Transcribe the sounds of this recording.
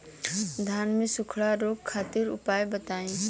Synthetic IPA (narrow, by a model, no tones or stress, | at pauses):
d̪ʱaːnmẽsʊkʰɽaɾoːɡkʰːaːt̪ɪɾʊ̰paːjbət̪aːẽː